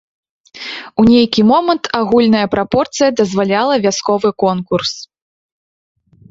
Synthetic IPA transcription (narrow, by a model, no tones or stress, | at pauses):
unʲejkʲimɔmɐnt̪ʰaɣulʲnɐjɐpɾapɔrt̪sɨjɐd̪ɐzvalʲalˠɐvʲaskɔvɨkɔnkurs